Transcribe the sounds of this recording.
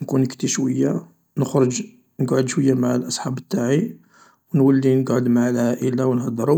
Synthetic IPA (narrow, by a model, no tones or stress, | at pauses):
nkunəkt̪iʃwəjːa | nəxɾˤəd͡ʒ | nəɡʕod̪ʃwəjːamaʕlʔɑsˤħɑbət̪ːaʕi | wnwəlːinəɡʕod̪maʕlhæʔəlːawnhɑd̪ˤːɾˤu